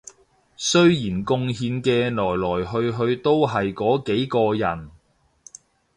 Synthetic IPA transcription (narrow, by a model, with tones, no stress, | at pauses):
sɵ˥ɥjiː˨˩nkʊ˧ŋɦiː˨˧nkɛː˧lɔː˨˩jlɔː˨˩jɦɵ˧ɥɦɵ˧ɥt̪o˥wɦɐ˨jkɔː˨˥ke˨˥jkɔː˧jɐ˨˩n